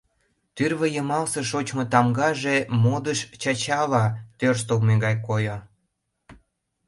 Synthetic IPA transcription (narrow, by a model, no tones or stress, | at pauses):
t̪yrβəjəmɑlseʃot͡ɕmot̪ɑmɡɑʒemod̪əʃt͡ɕɑt͡ɕɑlɑt̪ørst̪olmeɣɑjkojo